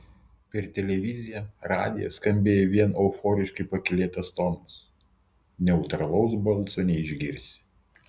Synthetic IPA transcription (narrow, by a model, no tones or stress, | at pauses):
pʲɛɾt̪ʲɛlʲɛʋʲɪzʲɪjɛɾɑ̰ːd̪ʲɪjɛ̰skɐmʲbʲeːjɛʋʲiɛnoːfɔːɾʲɪʃkɐɪpɐkʲɪlʲeːt̪ɐst̪ɔnʊs | nʲɛʊt̪ɾɐlˠɐʊsbɐlˠˑsoːnʲɛɪʒʲɡʲɪɾʲsʲɪ̥